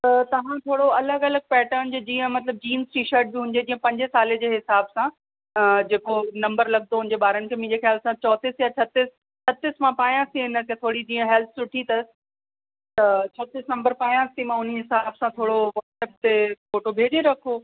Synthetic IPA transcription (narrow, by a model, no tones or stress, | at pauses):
t̪ɐt̪ɐʋ̤ãt̪ʰoːɽoɐləɡɐləɡ̚pɛːʈənd͡ʑoːd͡ʑĩːə̃mɐt̪ləb̚d͡ʑiːmzʈiːʃəɾʈ̚biɦʊ̃nɪ̆d̪ed͡ʑĩːə̃pɐ̃ɲd͡ʑɪsaːled͡ʑeːɦɪsaːbsã | d͡ʑeːkonɐ̃mbəɾlɐɡnoɦʊ̃nɪ̃ɲd͡ʑeɓaːɾənkʰemĩd͡ʑexjaːlsãt͡ɕɔːt̪ɪsjat͡ɕʰɐt̪ɪs | t͡ɕʰɐt̪ɪsmãpaːjãsiɦɪnək̪ẽt̪ʰoːɽid͡ʑĩːə̃ɦɛlt̪ʰsʊʈʰit̪ɐ | t̪ɐt͡ɕʰɔːt̪ɪsnɐ̃mbəɾpaːjãsimãʊniɦɪsaːbsãt̪ʰoːɽoʋɐːɾsɛːp̚t̪efoːʈobʱeːd͡ʑeɾɐkʰoː